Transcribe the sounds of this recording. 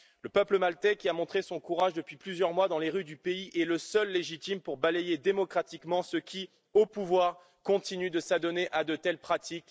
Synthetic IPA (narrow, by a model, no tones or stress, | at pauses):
ləpœpləmalt̪ɛkʲiamɔ̃t̪χesɔ̃kuʁaʒd̪əpɥiplyzjœʁmwad̪ɑ̃leʁyd̪ypeiʔɛləsœlːeʒit̪impuʁbalejed̪emɔkχat̪ikmɑ̃səkʲʰi | opuvwaʁ | kɔ̃t̪inyd̪əsad̪ɔneʔad̪ət̪ɛlpχat̪ik